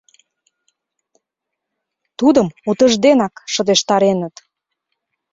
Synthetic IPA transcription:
t̪ud̪əmut̪ə̆ʒd̪enɑkʃə̆d̪eʃt̪ɑɾenət̪

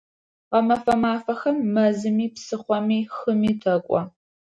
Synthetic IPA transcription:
qɐmɐfɐmaːfɐxɐmːɐzɨmiːpsɨχʷɔmiːxɨmiːtʰɐkʷʼɔ

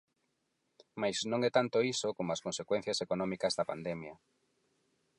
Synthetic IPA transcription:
majznõŋɛt̪ant̪oisokomoɐskonsekwɛ̃n̟θjɐsekonɔmikɐzðɐpand̪ɛmjɐ

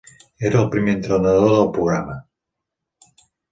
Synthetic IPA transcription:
eɾəːlˠpɾimeːnt̪ɾənəðoðəlˠpɾuɣɾamə

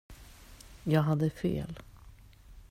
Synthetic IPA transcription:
jɑːɡɦad̪ːəfḛːl

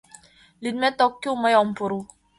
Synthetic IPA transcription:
lid̪̚mɛt̪ɔkːumajɔmpuɾu

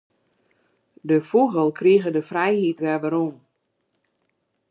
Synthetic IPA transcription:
dəfuɣəlˠkriəɣədəfrɛjhitʋɛʋəɾum

